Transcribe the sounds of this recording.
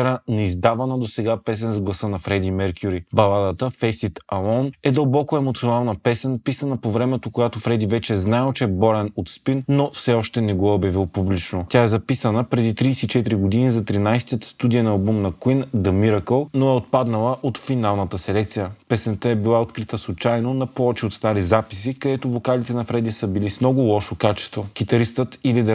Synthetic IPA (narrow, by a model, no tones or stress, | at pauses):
ɾanɛizd̪avɐnəd̪osɛɡapɛs̬ɛnzɡlˠɐsənɐfɾɛd̪imɛɾkʰʲjuɾibɐlˠad̪ət̪əfɛsit̪ɐlˠɔnɛd̪ɐlˠbɔkoɛmot̪sionalˠnəpɛsɛnpisənəpovɾɛmɛt̪okojat̪ofɾɛd̪ivɛt͡ʃɛːznaɛlˠt͡ʃɛːbɔɾɛnot̪spinːofsɛɔʃt̪ɛnɛɡɔobjɐvilˠpublit͡ʃnotʲaɛzɐpisənəpɾɛd̪it̪ɾijsɛit͡ʃɛt̪iɾiɡod̪inizɐt̪ɾinajst̪iət̪st̪ud̪ijənɐːlˠbumnɐkwind̪ɐmiɾəkəlˠnoɛot̪̚pad̪nəlˠəʔot̪finalˠnət̪əsɛlɛk̚t̪sijəpɛsɛnt̪ɛɛbilˠaot̪kɾit̪əslˠʊt͡ʃajnonɐpoɔt͡ʃiot̪st̪aɾizapisikɐd̪ɛt̪ovokalit̪ɛnɐfɾɛd̪isəbilismnɔɡʊlˠɔʃokat͡ʃɛ̥st̪voɡ̥ʲit̪ɐɾist̪ət̪ilid̪ɛ